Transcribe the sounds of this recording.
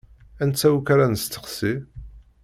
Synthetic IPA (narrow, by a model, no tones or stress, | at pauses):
ænt͡sːæwukaɾanəst̪ːə̥χsi